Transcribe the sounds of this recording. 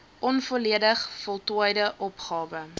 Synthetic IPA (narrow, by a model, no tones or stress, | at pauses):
ʔɔnfuliədəχfɔlˠtuəjdəʔɔpχɑːvə